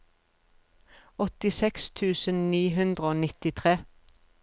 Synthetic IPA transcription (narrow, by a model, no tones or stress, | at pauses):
ɔt̪ɪsɛkst̪ʰʉːsənniːɦʉnd̪ʁəoːnɪt̪ɪt̪ʰʁeː